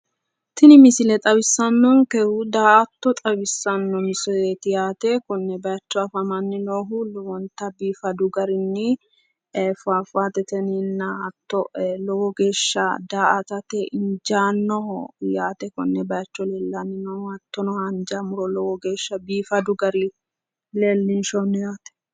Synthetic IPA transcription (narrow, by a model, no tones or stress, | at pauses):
t̪ɪnɪmɪsɪlɛt̪ʼɐbɪsːɐnːɔŋkɛhud̪aːʔɐt̪ːɔt̪ʼɐβɪsːɐnːɔmɪsɔet̪ɪjaːt̪ɛkɔnːɛbɐjɐt͡ʃːɔɐfɐmɐnːɪnoːɦʊlwɔnt̪ɐbiːfɐd̪ʊɡɐɾɪnːɪ | fafaːt̪ɛt̪ɛnɪnːɐɐt̪ːɔlɔwɔɡe̞ːʃːɐd̪aːʔɐt̪ɐt̪ɛʔɪnd͡ʒaːnːɔjaːt̪ɛkɔnːɛbɐjɐt͡ʃːɔleːlːɐnːɪnoːhʊɐt̪ːɔnɔhɐnd͡ʒɐmʊɾɔlɔwɔɡe̞ːʃːɐbiːfɐd̪ʊɡɐɾɪ | leːlːɪnʃɔnːɔjaːt̪ɛ̥